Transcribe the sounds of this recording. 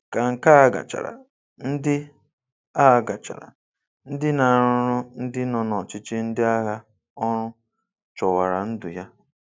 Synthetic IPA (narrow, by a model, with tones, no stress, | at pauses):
ka˨ŋ̩˨ka˦a˦ɡa̰˨t͡ʃa̰˨ɾa̰˨ | n̩˦dɪ˦ | a˦ɡa˨t͡ʃa̰˨ɾa̰˨ | n̩˦dɪ˦na˨ɾʊ˦ɾʊ˦n̩˦dɪ˦nɔ˨nɔ˨t͡ʃɪ˦t͡ʃɪ˦n̩˦dɪ˦a˦ɦa˦ | ɔ˦ɾʊ˦ | t͡ʃɔ˨wa˨ɾa˨n̩˦dʊ˨ja˦